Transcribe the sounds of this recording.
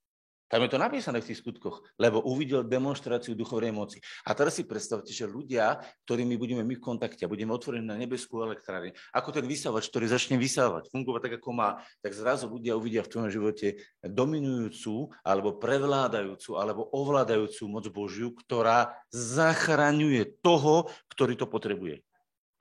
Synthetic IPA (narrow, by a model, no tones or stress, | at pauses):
t̪amjɛt̪ɔnapiːsanɛːft̪iːxskut̪kɔxlɛbɔʔuʋiɟɛld̪ɛmɔnʃt̪ɾaːt͡siud̪uxɔʊnɛjmɔt͡si̥a̰t̪ɛɾasːipɾɛt̪st̪aʊcɛʒɛʎuɟɪak̚t̪ɔɾiːmibuɟɛmɛmifkɔnt̪akcɛabuɟɛmɛɔt̪ʋɔɾɛniːnaɲɛbɛskuːɛlɛkt̪ɾaːɾinuʔakɔt̪ɛnʋisaʋat͡ʃk̚t̪ɔɾiːzat͡ʃɲɛʋisaːʋa̰cfuŋɡɔʋat̪aɡakɔmaːt̪aɡzɾazuʎuɟɪauʋiɟɪaft̪ʋɔjɔmʒiʋɔcɛd̪ɔminujuːt͡suːʔa̰lɛbɔpɾɛʋlaːd̪ajuːt͡suʔalɛbɔʔɔʋlaːd̪ajuːt͡sumɔd͡zbɔʒjukt̪ɔɾaːzaxɾaɲujɛt̪ɔɦɔkt̪ɔɾiːt̪ɔpɔt̪ɾɛbujɛ̰